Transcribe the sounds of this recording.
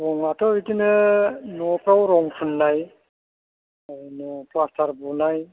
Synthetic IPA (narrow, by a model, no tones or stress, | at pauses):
ɾɔŋatʰɔitinɯnɔpɾawɾɔŋpʰunːaj | ajnɔplastʰaɾbunaj